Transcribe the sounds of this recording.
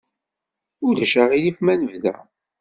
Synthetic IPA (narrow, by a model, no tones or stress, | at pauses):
ʊɾðæʃæʁilifmænəvðæ̰